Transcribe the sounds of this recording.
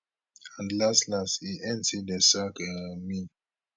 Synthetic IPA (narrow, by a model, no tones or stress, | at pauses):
ãndlastlashiʔɛ̃ntʰidəsakɛmi